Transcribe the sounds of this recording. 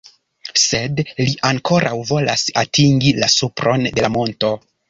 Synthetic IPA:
se̞dliʔaŋkʰo̞ɾʔawvo̞lasatʰiŋɡilasupɾʔo̞nde̞lamo̞nto̞

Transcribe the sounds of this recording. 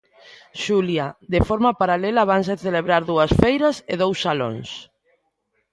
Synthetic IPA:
ʃuljad̪efoɾmapaɾalelaβans̬eθeleβɾaɾðuɐsfejɾɐseðowsːalo̰ŋs

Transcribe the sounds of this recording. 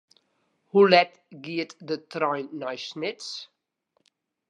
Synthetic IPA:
hulɛt | ɡiətdətrɔjnːɔjsnɪts

